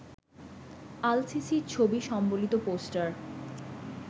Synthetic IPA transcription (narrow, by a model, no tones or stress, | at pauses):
alsisiɾt͡ɕʰobiʃɔmbolit̪oposʈaɾ